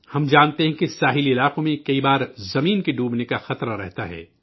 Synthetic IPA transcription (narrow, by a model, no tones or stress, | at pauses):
hɐmd͡ʒaːnt̪eɦɛ̃kisaːɦɪliɪlaːqõmẽkɐibaːɾzɐmiːnkiɖuːbnekaxɐt̪ɾaɾɛ̰ɦt̪aɦɛ̰ː